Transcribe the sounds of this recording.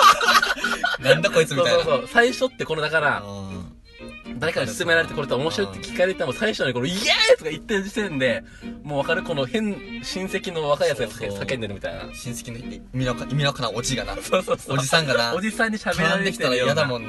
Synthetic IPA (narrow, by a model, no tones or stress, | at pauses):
nãnd̪akoit͡sɨmioajoasoːsaiɕo̞t̪ːe̞ko̞no̞d̪akaɾa | d̪aɾekaɡasɨ̥t͡sɨme̞ɾaɾe̞t̪ekoɾet̪ːomo̞ɕiɾo̞it̪ːkʲi̥kːaɾeit̪ːnamosaiɕoɲ̟iko̞noiajat͡sɨɡait̪ːeɾɯ̟d͡ʑisẽ̞nd̪e̞ | moːβakaɾɯ̟ko̞no̞hẽ̞nɕĩɰ̃se̞kʲino̞βakaijat͡sɨɡasḁkesakend̪e̞ɾɯ̟mʲit̪a̰ina̰ɕĩse̞̥kʲino | mʲinokaimʲinokanaod͡ʑiɡana̰soːsoːsod͡ʑisãŋɡanaod͡ʑisãɲ̟ːiɕabeɾaeekʲi̥t̪aaojad̪amõn